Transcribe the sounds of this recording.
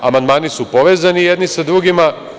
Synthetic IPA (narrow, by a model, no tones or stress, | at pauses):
amand̪maːnisupo̞ʋeːzanijed̪nisad̪ɾuɡima